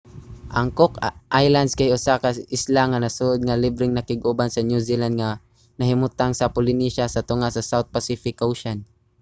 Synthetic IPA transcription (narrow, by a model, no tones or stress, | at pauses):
ʔɐŋkokʔajland̪skajʔʊsakaɪslaŋanasuʔod̪̚ŋalɪbɾɪŋnɐkɪɡʔʊbansɐnjusiland̪̚ŋa | nɐɦɪmʊt̪aŋsɐpʊlɪniʃasɐt̪ʊŋasɐsawt̪̚pasifɪkʔowʃan